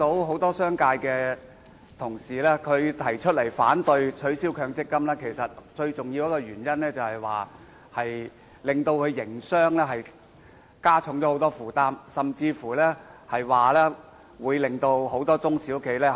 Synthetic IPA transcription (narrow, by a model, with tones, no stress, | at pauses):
t̪o˨˥wɦo˨˥wt̪ɔː˥sœː˥ŋkaː˧jkɛː˧ | t̪ʰʊ˨˩ŋsiː˨˩lɛː˥kʰɵ˨˧ɥt̪ʰɐ˨˩jt͡ʃʰɵ˥t̚lɐ˨˩jfa̰ː˨˥nt̪ɵ˧ɥt͡ʃʰɵ˨˥ɥsiː˥wkʰœː˧ŋt͡sɪ˥kːɐ˥mlɛː˥kʰe˨˩jsɐ˨t̚t͡ʃɵ˧ɥt͡sʊ˨ŋji˧wjɐ˥kːɔː˧jyː˨˩njɐ˥nlɛː˥t͡sɐ˨whɐ˨jwa̰ː˨ | hɐ˨j | lɪ˨ŋt̪o˧wkʰɵ˨˧ɥjɪ˨˩ŋsœː˥ŋlɛː˥ɦɐ˨j | kaː˥t͡ʃʰʊ˨˧˥ŋt͡ɕɔː˨˥ho˨˥wt̪ɔː˥fuː˨˩t̪aː˥msɐ˨mt͡siː˧fuː˨˩lɛː˥hɐ˨jwaː˨lɛː˥ | wuː˨˧jlɪ˨ŋt̪o˧who˨˥wt̪ɔː˥t͡sʊ˥ŋsiː˨˥ʊ˥kʰe˨˧˥jlɛː˥